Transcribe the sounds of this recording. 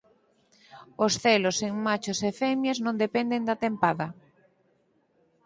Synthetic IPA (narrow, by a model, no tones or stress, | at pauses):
osθeloseŋmat͡ʃosefɛmjeznõnd̪epend̪end̪at̪empaðɐ